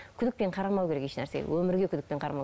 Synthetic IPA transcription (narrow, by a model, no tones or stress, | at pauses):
kʲʰʏd̪ɪk̚pe̞ɴqʰɑɾɑmɑwkʲe̞ɾe̞keʃnæɾse̞̰wʔɵmɪɾɡʲe̞kʰʲʏd̪ɪk̚pe̞ɴqʰɑɾɑmɑ